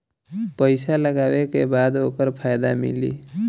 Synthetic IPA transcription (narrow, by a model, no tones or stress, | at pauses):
pəɪsaləɡawekebad̪okəɾpʰajd̪amḭlḭ